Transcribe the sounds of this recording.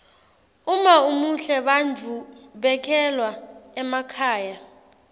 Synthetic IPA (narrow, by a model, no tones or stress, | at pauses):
umaumuɬɛɓand͡ʒʱuɓɛkʰɛlwaɛmakʰaːja